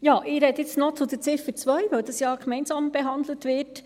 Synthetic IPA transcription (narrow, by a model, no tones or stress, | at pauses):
jɑːʔɪɾɛt̪ɪt͡stnɔt͡sʊd̪ət͡sɪfət͡sʋœʏʋɛld̥̪ɑsjɑːɡ̥mɛɪnsɑːmb̥eɦɑnd̪lət̪ʋɪt